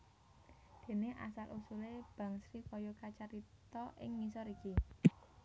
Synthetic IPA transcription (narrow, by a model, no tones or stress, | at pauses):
d̪̥e̤neʔa̰salʔusuleb̥ä̤ŋsɾifɔjɔkat͡ʃaɾit̪ɔʔɪŋːisɔɾiki